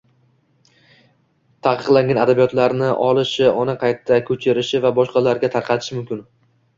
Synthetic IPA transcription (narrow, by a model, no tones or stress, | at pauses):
t̪ʰaqɨ̥qlˠaŋɡʲanad̪abijɒt̪laɾnɪʔɒlˠɪʃɪʔɒnɪqʰɑjt̪ʰːakʲʰɵt͡ʃʰɪɾɪʃɪvabɒʃqɑlaɾɡʲat̪ʰaɾqʰɑt̪ʰɪ̥ʃɪmʊmkʲɪn